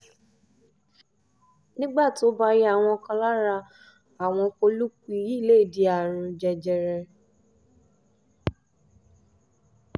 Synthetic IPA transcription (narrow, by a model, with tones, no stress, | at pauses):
nĩ˦ɡ͡ba˦˨ti˨o˦ba˧ɾi˦a˦˨w̃ɔ̃˧kã˧la˦ɾa˧ | a˨w̃ɔ̃˧ko˧lu˦k͡pi˧ji˦˨le˦˨di˧a˨ɾ̃ũ˧d͡ʒɛ˧d͡ʒɛ˧ɾɛ˧